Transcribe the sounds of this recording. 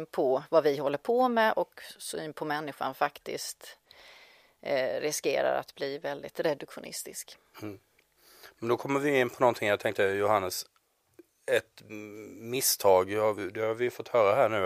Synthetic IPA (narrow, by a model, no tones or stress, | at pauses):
pʰɔvavɪɦɔlːəɾpʰomɛʔɔksʊnpʰɔmɛnːɪɧa̰nfakt̪ɪ̰skt̪ | ɾɪskḛːɾa̰ɾa̰t̪bliːvɛld̪ɪt̪ɾɛd̪ɵkɧʊnɪ̰st̪ɪsk | mɛnd̪ɔkʰɔmːəɾvɪɪnːpʰɔnɔnt̪ʰɪŋjat̪ʰɛŋk̚t̪əjʊhanːəs | ɛt̪ | mɪst̪ʰɑːɡavd̪ɛhaɾvɪfɔt̪ːhœːɾaɦæːɳʉ̟ː